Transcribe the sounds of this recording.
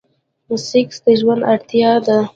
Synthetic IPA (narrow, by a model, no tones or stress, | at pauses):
musɪksd̪əʒwand̪aɽt̪jɑd̪a